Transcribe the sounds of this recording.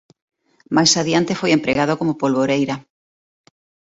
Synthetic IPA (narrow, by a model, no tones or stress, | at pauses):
majsaðiant̪efojempɾeɣað̞okomopolβoɾejɾɐ